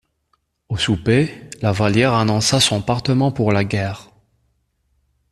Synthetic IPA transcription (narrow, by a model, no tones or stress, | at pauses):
osupelavaljɛʁanɔ̃sasɔ̃paʁt̪əmɑ̃puʁlaɡʲɛːʁ